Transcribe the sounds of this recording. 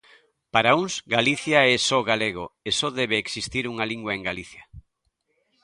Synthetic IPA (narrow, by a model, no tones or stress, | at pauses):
paɾauŋsɡaliθjaɛsɔɣaleɣoesɔðɛβeːksist̪iɾuŋaliŋɡwɐeŋɡaliθjɐ